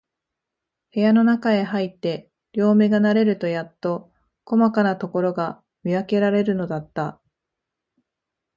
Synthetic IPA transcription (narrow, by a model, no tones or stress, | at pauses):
he̞jano̞nakae̞ɦait̪ːe̞ | ɾʲo̞ːmeɡanaɾe̞ɾɯ̟t̪o̞jat̪ːo̞ | ko̞makanat̪o̞ko̞ɾo̞ɡa | mʲiake̞ɾaɾe̞ɾɯ̟no̞d̪at̪ːa